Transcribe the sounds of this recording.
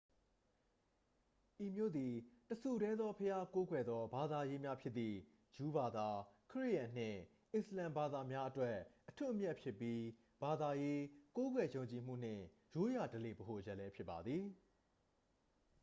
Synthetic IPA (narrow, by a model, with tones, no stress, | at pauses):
ʔi˨mjo̰˦˨d̪i˨təsʰu˨ɾɛ˦d̪ðɔ˦pʰəja˦ko˦ɡwɛ˨d̪ɔ˦ba˨d̪a˨je˦mja˦pʰjɪ˦t̪t̪ːi˨ | ju˦ba˨d̪a˨kʰəɹi˦ʔjã˨n̥ɪ̰̃˦˨ | ʔɪ̃˨səlã˨mba˨d̪a˨mja˦ʔətwɛ˦ʔːətʰu˦˨ʔəmjɛ˦ʔpʰjɪ˦pːji˦ | b̥a˨d̪a˨je˦ko˦ɡwɛ˨jõ˨ʊ̃ɲt͡ɕi˨m̥ṵ˦˨n̥ɪ̰̃˦˨ | jo˨˦ja˨dəle˨bəɦo˨ʔəd͡ʑɛ˦ʔlɛ˦pʰjɪ˦pːa˨d̪ði˨